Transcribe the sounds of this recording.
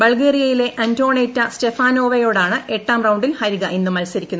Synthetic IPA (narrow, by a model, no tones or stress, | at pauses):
bɐɭɡeːrijɐjile̞ʔɐndo̞ːɳetːɐstefaːno̞ːʋɐjo̞ːɽaːɳɨʔe̞ʈːaːmrɐwɳɖilhɐɾiɣɐʔinːumɐlsɐɾikʲːunːɐ